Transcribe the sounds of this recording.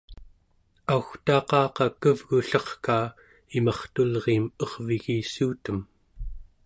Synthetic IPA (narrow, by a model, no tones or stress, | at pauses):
auxt̪ɑːqɑːqɑkəvɣuɬʌχkaː | imɑχt̪ulʁeːmʌʁviɣiːsuːt̪əm